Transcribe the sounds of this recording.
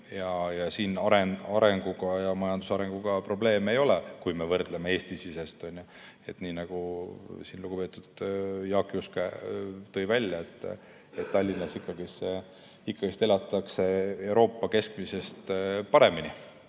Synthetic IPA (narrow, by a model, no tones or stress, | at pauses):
jɑjɑsiːnɑɾenɑɾe̞ŋɡ̥uɡ̥ɑjɑmɑjɑnd̪̥usɑɾe̞ŋɡ̥uɡ̥ɑpro̞ble̞ːme̞jo̞lekujme̞vɤrd̪leme̞e̞ːsʲt̪isise̞st̪o̞nʲjo | e̞t̪niːnɑɡ̥usiːnluɡ̥upe̞t̪ːˑud̪̥jɑːkːˑiusket̪ːɤjvælʲjɑet̪ːˑ | et̪ːɑlʲːinːɑsikːɑɡise | ikːˑɑɡ̥ist̪e̞lɑt̪ːˑɑkse̞e̞wɾo̞ːpːɑke̞skmise̞st̪pɑɾe̞mini